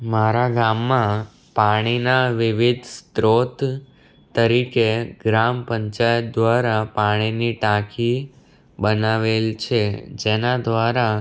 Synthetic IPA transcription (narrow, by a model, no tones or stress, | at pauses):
maɾaɡamːã | paɽ̃inaʋɪʋid̪ʱst̪ɾot̪ | t̪ːəɾikeɡɾampəɲt͡ʃajət̪̚d̪ʋaɾapaɽ̃iniʈakʰi | bənaʋelt͡ʃʰed͡ʒenad̪ʋaɾa